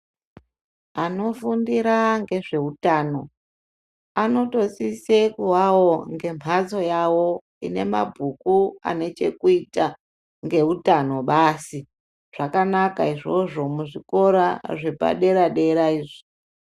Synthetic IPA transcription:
ano̞fundiɾaŋɡe̞ʐe̞ɦutaːno̞ | ano̞to̞sisekuwawo̞ŋɡe̞mʰat͡so̞jawo̞ | ḭne̞̰ma̰bʱukua̰ne̞t͡ʃe̞̰kuita | ŋɡe̞utano̞ɓaːsi | ʐ̥akanakaiʐo̞ʐo̞muʐiko̞ɾa̰ʐe̞pa̰ɗe̞ɾaɗe̞ɾaiːʐi̥

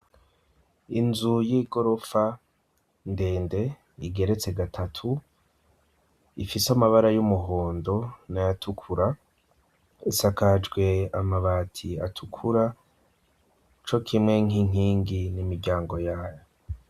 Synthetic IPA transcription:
inzujiːɡo̞ɾo̞fa | nde̞ːnde̞ | iɡe̞ɾe̞t͡se̞ɡatʰatʰu | ifisamaβaɾajumuɦoːndo̞najatʰukʰuɾa | isakad͡ʒɡwe̞amaβaːtʰia̰tʰukʰuɾa | t͡ʃo̞kʰimŋe̞ŋ̥iŋ̥iːŋɡinimiɾɟaːŋɡo̞jaːjo

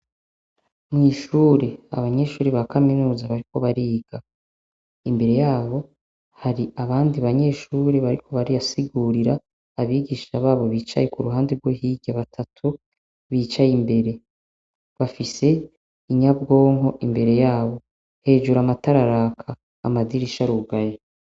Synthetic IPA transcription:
mŋiːʃuːɾea̰βaɲe̞ːʃuːɾeβakaminuːzaβaɾiko̞βaɾiːɡ̥a | imbe̞ɾe̞jaːβo̞ | haɾiaβaːndiβaɲe̞ːʃuːɾe̞βaɾikʰo̞βaɾijasiɡuːɾiɾaː | βiːɡiːʃaβaːβo̞βiːt͡ʃa̰jekuɾuɦaːndeɾɡwo̞ɦiːɟaβatʰatʰu | βiːt͡ʃajimbe̞ɾe̞ | βafise̞ | iɲab̚ɡo̞ːŋɦo̞ʔimbe̞ɾe̞jaːβo̞ | he̞ːd͡ʒuɾamataɾaɾaːkʰaː | madiɾiʃaɾuɡaje

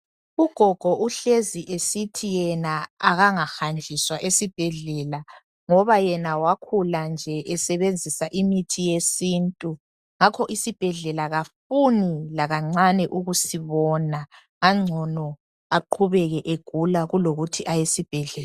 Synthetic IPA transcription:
uɡ̥ʱɔɡ̥ʱɔuɬeziʔesitʰijɛnaaɣaŋaxand͡ʒʱiswaʔesib̥ʱɛɮɛːla | ŋɔβajɛnawakʰuland͡ʒʱɛʔɛsɛβend͡zʱisaʔimitʰijesintʼu | ŋakʰɔʔisib̥ʱɛɮɛlaɣafunilaɣaŋ͡ǀanɛʔuɣusiβɔnaː | ŋ͡ǀʱɔnɔ | aǃʰuβɛɣɛʔeɡ̥ʱulaɣuloɣutʰiʔajesib̥ʱɛɮɛːla

